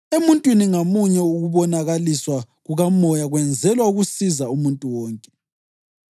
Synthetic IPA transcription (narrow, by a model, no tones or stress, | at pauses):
emuntʼwiniŋamuɲɛuɣuβɔnaɣaliswa | ɣuɣamɔjaɣwɛnd͡zʱɛlwauɣusizaumuntʼuwɔːŋkʼɛ̥